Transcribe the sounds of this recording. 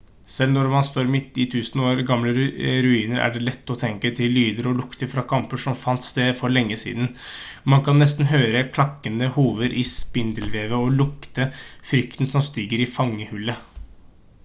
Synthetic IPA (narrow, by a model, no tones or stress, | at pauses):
sɛlnɔɾmɑnst̪oːɾmɪt̪ːɪt̪ʰʉːsənoːɾɡɑmləɾɾʉiːnəɾæ̰ɖɛlɛt̪ːɔt̪ʰɛŋkət̪ʰɪlːyːd̪əɾɔlʊkt̪əɾfɾɑkʰɑmpəʂɔmfɑnt̪sd̪eːfɔɭɛŋːəsḭːd̪nmɑnkʰɑnːɛst̪n̩ɦøːɾəkʰlɑkːənəhuːʋəɾʔɪspɪnd̪əlʋeːʋəɔlʊkt̪əfɾʏkt̪nsɔmst̪iːɡəɾɪfɑŋːəhʉlːə